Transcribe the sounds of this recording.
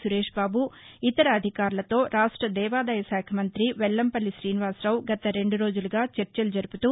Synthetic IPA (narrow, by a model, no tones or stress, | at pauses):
suɾeːʂbaːbu | it̪ɐɾɐːd̪ʱikaːɾulɐt̪o̞ːɾaːʂʈɾɐd̪ɛːʋaːd̪ɐjɐsaːkʰɐmɐnt̪ɾiʋɛlːɐmpɐlːiʃɾiːniʋaːsɾɐwɡɐt̪ɐɾe̞ɳɖuɾo̞ːd͡ʒuluɡaːt͡ʃeɾt͡ʃɐlud͡ʒɐɾuput̪uː